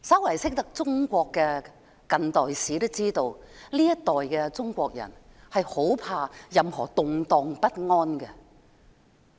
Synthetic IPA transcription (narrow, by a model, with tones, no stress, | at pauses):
sɐ˥wlɐ˨˩jsɪ˥k̚t̪ɐ˥k̚t͡sʊ˥ŋkʷɔː˧kːɛː˧ | kɐ˨nt̪ɔː˨jsiː˨˥t̪ʊ˥wt͡siː˥t̪o˧wliː˥jɐ˥t̪ːɔː˨jkɛ˧t͡sʊ˥ŋkʷɔː˧k̚jɐ̰˨˩nhɐ˨jho˨˥wpʰaː˧jɐ˨mhɔː˨˩t̪ʊ˨ŋt̪ɔː˧ŋpɐ˥t̚ŋɔː˥nkɛ˧